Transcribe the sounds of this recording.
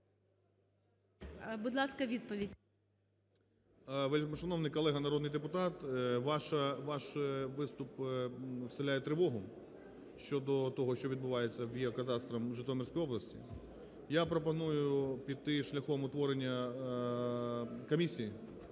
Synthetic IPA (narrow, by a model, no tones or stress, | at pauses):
bʊd̪lˠɑskɐʋʲid̪̚pɔʋʲidʲ | ʋelʲkmɔʃɐnɔwnɪjkɔlˠɛɦɐnɐɾɔd̪nɪjd̪epʊt̪ɑt̪ʋɑʃɐʋɑʃʋɪst̪ʊp | wsɪlʲajɛt̪ɾɪʋɔɦʊ | ʃt͡ʃɔd̪ɔt̪ɔɦɔʃt͡ʃɔʋʲid̪̚bʊʋɑjet͡sʲːɐwjiɐkɐt̪ɑst̪ɾɐmʒɪt̪ɔmʲirʲsʲkɔjɔblˠɐsʲtʲḭ | japɾɔpɐnujʊpʲid̪̚t̪ɪʃlʲɐxɔmʊt̪ʋɔɾenʲːɐ | kɔmʲisʲiji